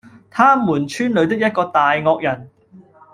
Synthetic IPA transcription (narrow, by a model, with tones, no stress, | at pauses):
t̪ʰaː˥muː˨˩nt͡ʃʰyː˥nlɵ˨˧ɥt̪ɪ˥k̚jɐ˥t̚kɔː˧t̪aː˨jŋɔː˧k̚jɐ˨˩n